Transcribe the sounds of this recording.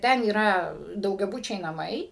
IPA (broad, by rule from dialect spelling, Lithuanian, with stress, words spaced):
ˈtʲɛn iːˈrɐ dɐʊɡʲɛˈbʊt͡ʃʲɛɪ nɐˈmɐɪ